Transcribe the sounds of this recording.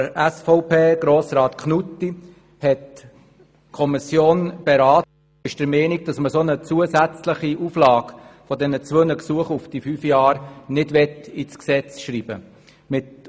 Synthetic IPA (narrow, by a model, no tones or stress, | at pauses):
əɾæsfɔʊpʰeːɡ̥ɾoːsrɑːt̪kʰnutːi | hɛt | kʰɔmisjoːnb̥ɛɾɑːt | ɪʃd̥əɾmɛːniɡ̚d̥ɑsməsonət͡suəsæt͡sləχiʔuflɑːkfɔdɛnət͡sʋønəksuəχufd̥ifyːfjɑːɾnɪdʋɛt̪it͡sksɛt͡sʃɾiːb̥ə̰ | mɪt